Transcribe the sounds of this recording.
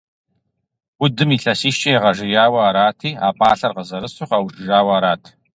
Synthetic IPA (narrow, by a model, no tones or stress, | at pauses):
ʊdɨmiːɬɐsiːʃt͡ʃʼɐjɛʁɐʒɪjaːwɐaɾaːtʰiːa̰ːpʼaːɬɐrʁəzɐɾɨsʊχawʃʼɪʒaːwɐaɾaːtʰ